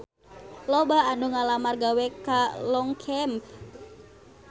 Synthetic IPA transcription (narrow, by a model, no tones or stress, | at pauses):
lɔbaːnuŋalamarɡawɛkalɔŋkʰɛmp